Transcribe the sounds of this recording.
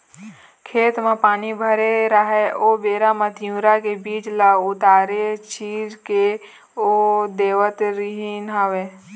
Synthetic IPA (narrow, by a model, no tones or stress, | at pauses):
kʰeːt̪mãpaːnibʱəɾeɾəɦeoːbeːɾamə̃t̪jũːɾakebiːt͡ʃlaʊt̪aːɾet͡ʃiːd͡ʒke | od̪eːʋət̪ɾiɦinɦaʋeː